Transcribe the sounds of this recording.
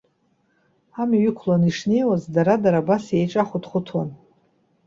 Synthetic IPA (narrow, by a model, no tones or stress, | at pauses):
amiɥʏkʷʰlaniʂne̞jwazdaɾadaɾabasjejʈ͡ʂʼaχʷʊtχʷʊtʰwan